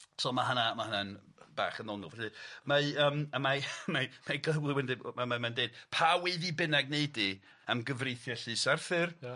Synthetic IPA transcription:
sʰɔːmaɦanamahananb̥a̰ːχənɔnʊvɛɬɨmaəːmamamamaɡəwlˠɪwɛndɨmamamandeːd̥̚pʰaweðibɪnɛɡnejdi | əmɡəvrejθjɛɬɨsɛrθɨr

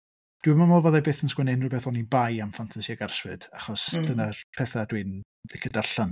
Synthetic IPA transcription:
d̥wimamɔvɔðabeːθənskwɛnɨnrubɛθɔnibajamfantʰasiaɡarswɨd̥aχɔsd̥ʰənarpʰɛθadwɨn | lɪkʰədaɬan

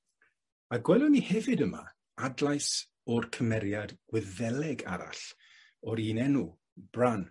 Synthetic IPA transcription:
aɡwɛlˠɔnihɛvɨdəma̰ | adlajs | ɔrkʰəmɛɾjadɡ̥wɪðɛlɛɡa̰ɾa̰ɬ | ɔɾiːnɛnu | b̥ran

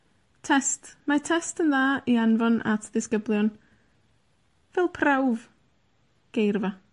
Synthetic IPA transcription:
tʰɛstmatʰɛstənðaːianvɔnʔa̰tʰðɪskəblˠjɔn | vɛlˠpʰrawv | ɡ̥ejrva

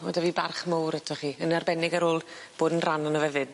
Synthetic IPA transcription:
odaviːbarχmowɾɛtʰɔχiːənarbɛnɪɡaɾoːlˠ | b̥oːdənranənɔvɛvɨd̥

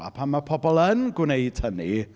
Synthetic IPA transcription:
a̰pʰanmapʰɔbɔlˠənɡwnejd̥həni

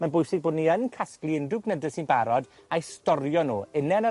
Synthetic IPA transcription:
manbʊjsɪɡ̚boːdniənkʰasklˠiɪndʊɡnədəsinbaɾɔd | ajstɔɾjɔnoːɪnɛnə

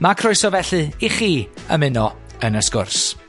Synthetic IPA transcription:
makʰrʊɨsɔvɛɬɨiχiːə̰mɪnɔ | ənəskʊrs

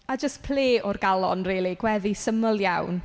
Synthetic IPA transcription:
ad͡ʒəspʰl̥eːʔɔrɡalˠɔnriːlˠiɡwɛðisəməlˠjawn

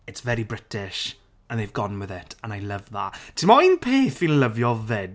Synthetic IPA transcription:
ɪtsvɛɾibrɪtʰɪʃ | ə̃nðejvɡɔnwɪðɪtʰə̃najlˠəvðatʰɪmɔinpʰeːθinləvjɔvɪd

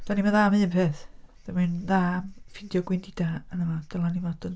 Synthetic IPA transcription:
d̥animaðaːmɨəmpʰeːθd̥amɨnðamfɪndjɔɡwɪndɪdaənəmad̥əlanimadən

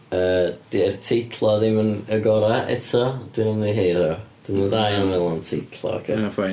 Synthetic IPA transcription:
əːd̥iɛrtʰejtʰlˠɔðɪmənəɡɔɾaʔɛ̰tʰɔd̥wɪnəmniɦeːɾɔd̥ɪmnəðajanvɛlˠɔntʰejtʰlˠɔ̰kʰəfa

